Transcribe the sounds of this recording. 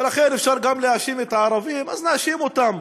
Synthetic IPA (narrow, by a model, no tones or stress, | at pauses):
elaχenefʃaʁɡamleaʃimet̪ʕaɾavimaznaʃimot̪am